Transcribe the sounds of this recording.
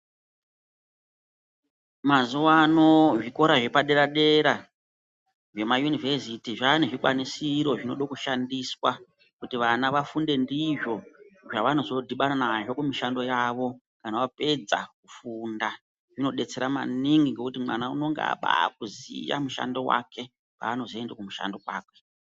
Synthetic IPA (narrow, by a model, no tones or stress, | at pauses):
mazuwano̞ʐiko̞ɾaʐe̞paɗe̞ɾaɗe̞ɾa | ʐe̞majuniversitiʐaneʐikwa̰nisiɾo̞ʐino̞ɗokuʃandiswa | kutiʋanaʋafunde̞ndiʐo̞ʐaʋano̞zo̞dʱiɓananaʐo̞kumiʃando̞jaʋo̞ | kanaʋape̞d͡za̰kufunda | ʐ̥ino̞ɗe̞t͡se̞ɾama̰niŋɡiŋɡe̞kutimwanaṵno̞ŋɡ̰a̰ɓa̰k̚uzḭja̰muʃa̰ndo̞wa̰ke̞ | pa̰ːno̞zoendekumuʃa̰ndo̞wa̰ːkwe